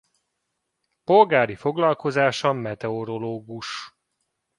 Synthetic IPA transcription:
po̞lɡaːɾifo̞ɡlɒlko̞zaːʃɒmɛt̪ɛo̞ɾo̞loːɡuʃ

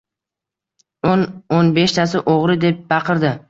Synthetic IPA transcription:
ononbe̞ʃt̪ʰasɪʔoʁɾɪd̪e̞p̚bɑqʰɨɾd̪ɪ

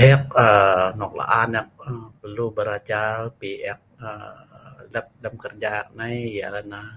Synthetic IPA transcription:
ɛk̚ənɔk̚la̰ʔanjak̚əpərlubəɾad͡ʒalpiʔɛk̚ə | ləp̚ləm̚kərd͡ʒaaʔ̚najja̰lana

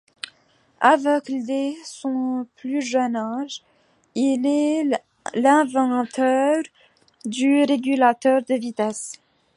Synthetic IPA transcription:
avɛklesɔ̃plyʒœnaʒ | ilɛ | lɛ̃vɑ̃t̪œʁ | d̪yʁeɡʲylat̪œʁd̪əvit̪ɛs

